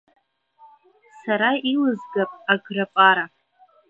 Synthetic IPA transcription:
saɾailɨzɡapʼaɡrapʼaɾa

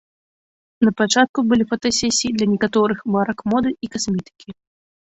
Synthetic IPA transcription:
nɐpat͡ʂat̪̚kubɨlʲifɐt̪asʲɛsʲiid̪lʲɐnʲɛkat̪ɔɾɨxbaɾɐkmɔd̪ɨikasmʲɛt̪ɨ̥kʲi

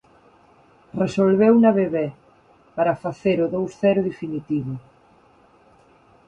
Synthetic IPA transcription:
resolβewnaβeβɛ | paɾɐfaθeɾʊðowsθɛɾʊðefinit̪iβʊ

